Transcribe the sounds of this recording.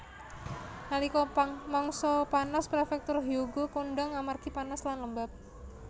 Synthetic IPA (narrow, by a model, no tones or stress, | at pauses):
nalikɔpmɔŋsɔpanaspɾefɛk̚t̪ʊrɦiuɡokoɳɖaŋamarɡ̥ipanaslanləmbap̚